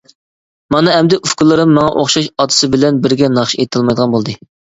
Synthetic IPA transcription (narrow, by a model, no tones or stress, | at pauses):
mɑnɨɛmd̪ɛʔufkʊlˠːɨɾɨmːɑŋɑʔo̰χʃɑʃɑt̪ʰɨ̥sɨbɪlɛnbɪɾɡʲɛnɑχʃiet̪ʰɨlˠmɑjd̪əʁɑnbolˠd̪ɨ